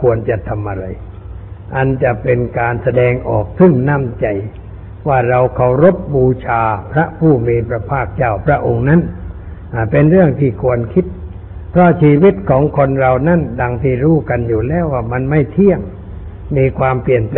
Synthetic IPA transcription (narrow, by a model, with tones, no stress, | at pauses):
kʰu˧ənt͡ɕa˨˩t̪ʰa˧mʔa˧ɾa˧j | ʔa˧nt͡ɕa˨˩pe˧nkaː˧nsa˧dɛː˧ŋʔɔ̰ː˨˩k̚t̪ʰɯ˥˩ŋna˧˥˩mt͡ɕa˧j | waː˥˩ɾa˧wkʰa˨˩wɾo˦˥p̚buː˧t͡ɕʰaː˧pʰɾa˦˥pʰuː˥˩miː˧pʰɾa˧pʰaː˥˩k̚t͡ɕaː˥˩wpʰɾa˦˥ʔo˧ŋna˦˥n | ʔa˨˩pe˧nɾɯ˥˩əŋt̪ʰiː˧˩kʰu˧ənkʰi˦˥t̪̚ | pʰɾɔ˦˥t͡ɕʰiː˧wi˦˥t̪̚kʰɔː˩˦ŋkʰo˧nɾa˧wna˦˥˨nda˧ŋt̪ʰiː˥˩ɾuː˦˥˩ka˧njuː˨˩lɛː˦˥˩waː˧˩ma˧nma˥˩jt̪ʰi˥˩əŋː | iː˧kʰwaː˧mpli˨˩ənp